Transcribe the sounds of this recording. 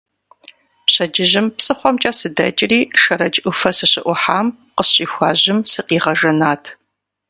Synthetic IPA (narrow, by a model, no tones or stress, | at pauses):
pɕɐd͡ʒɪʑɪmpsɨχʷɔmt͡ʃʼɐsɨdɐ̰t͡ʃʼɪriːʂɐɾɐd͡ʒʼʔʷʊfɐsɨɕɪʔʷʊħaːm | qəɕʼiːxʷɑːʑɪmsɨqiːʁɐʒɐnaːtʰ